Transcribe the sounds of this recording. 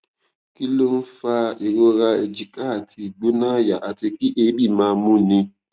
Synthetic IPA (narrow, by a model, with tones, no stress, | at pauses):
ki˦lo˦n̩˦fa˦e˨ɾo˦ɾa˧e˨d͡ʒi˨ka˦˨tʰi˧˨ɡ͡bu˦nãː˦ja˨ʔa˨ti˧ki˦ʔe˦bi˦˨mãː˦mũ˦nĩ˧